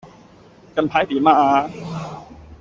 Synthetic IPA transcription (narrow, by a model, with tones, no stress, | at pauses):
ka˧npʰaː˧˥jt̪iː˨˦maː˧˩ʔaː˧